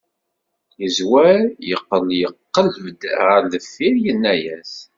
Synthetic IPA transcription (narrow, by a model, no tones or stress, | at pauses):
jəzwæɾjəqːəljəqːələvd̪əɾðəfːiɾjənːæjæs